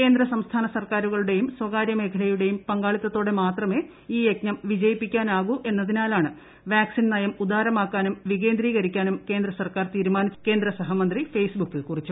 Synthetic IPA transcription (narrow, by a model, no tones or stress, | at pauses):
ke̞ːnd̪ɾɐsɐmst̪ʰaːnɐsɐrkaːɾuɣɐɭuɽe̞jumswɐɣaːɾjɐme̞ːkʰɐɽɐjuɽe̞jumpɐŋɡaːɭit̪ːɐt̪ːo̞ːɽe̞maːt̪rɐme̞ː | iːjeknɐmʋid͡ʑɐjipːikʲːaːnaːɣuʔe̞nːɐðinaːlaːɳɨ | ʋjaːksinnɐjɐmud̪aːɾɐmaːkːaːnumʋiɣeːnd̪ɾiːɣɐɾikʲːaːnumkeːnd̪ɾɐsɐrkaːrt̪iːɾumaːnit͡ɕːke̞ːnd̪ɾɐsɐɦɐmɐnd̪rifejsbukːilkurit͡ɕːu